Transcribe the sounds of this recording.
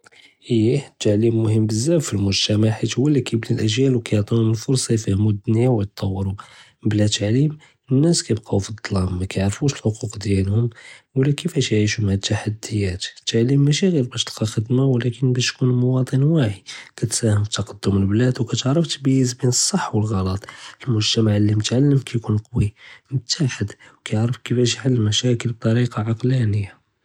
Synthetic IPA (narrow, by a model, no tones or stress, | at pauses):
ʔəjːit̪ːaʕlimːʊhəmːbəzːæffilmʊʒt̪æmaħit̪wəlːækʰæbnəlʔæʒjælwkæjʕt̪ˤunumənfʊɾˤsˤɑjfæhmud̪niwjt̪t̪ˤːɑwːəɾu | blæt̪aʕlim | ənːæskæjb̚qɑufid̪ˤːɑlɑmːækæjʕɾfuʃəlħoquqd̪jælhʊmwəlːækəfæʃjʕiʃʊmʕat̪ːaħad̪ːəjːæt̪ət̪ːaʕlimːæʃiɣiɾbæʃt̪əlqɑxəd̪mawlækənbæʃt̪kunlmowɑt̪ˤənwaħikæt̪sæhəmfit̪ːɑqɑd̪ːʊməlblæd̪wkæt̪əʕɾˤəft̪bæjːəzbinəsˤːɑħːwəlɣɑlɑt̪ˤəlmʊʒt̪æmaʕəlːimət̪ʕalːəmkʰæjkunqɑwimt̪ʰːaħəd̪wkæjʕɾəfkəfæʃ̬jħalːəmæʃækəlb̚t̪ˤɑɾiqɑʕɑqlænəjːa